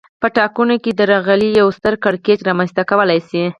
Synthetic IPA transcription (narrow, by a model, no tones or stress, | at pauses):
pəʈɑkunoked̪əɾɑɣalijawst̪əɾkɪɽketɾɑmanst̪akawəlajsi